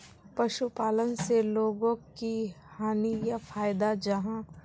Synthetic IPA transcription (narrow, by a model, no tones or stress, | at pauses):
pɐʃupaːlənseloːɡõkihaːnijafʰaːjd̪ad͡ʒɐɦã